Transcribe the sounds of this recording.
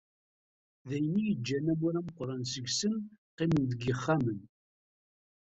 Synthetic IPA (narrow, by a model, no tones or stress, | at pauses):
ðæjənːijəd͡ʒːænæmuɾæməqːɾˤɑnsəɡsənqɪmənd̪əɡəχːamən